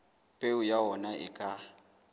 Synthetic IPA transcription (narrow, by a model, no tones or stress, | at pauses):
pʼeʊjaɦɔnaʔɪ̰kʼa